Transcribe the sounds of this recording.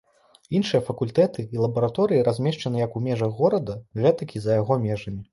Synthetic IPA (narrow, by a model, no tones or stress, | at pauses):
inʂɨjɐfɐkulʲt̪ɛt̪ɨilˠɐbɐɾat̪ɔɾɨjiɾazʲmʲɛʂt͡ʂɐnɨjɐkumʲɛʐɐɣːɔɾɐd̪ɐɣɛt̪ɐkʲizɐjaɣɔmʲɛʐɐmʲi